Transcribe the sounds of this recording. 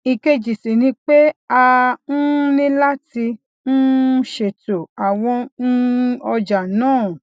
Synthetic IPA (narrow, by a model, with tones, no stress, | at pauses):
i˨ke˧d͡ʒi˨si˨nĩ˧k͡pe˦a˧n̩˦nĩ˦la˦ti˧ | n̩˦ʃe˨to˨a˨w̃ɔ̃˧n̩˦ɔ˧d͡ʒa˨nãː˦˨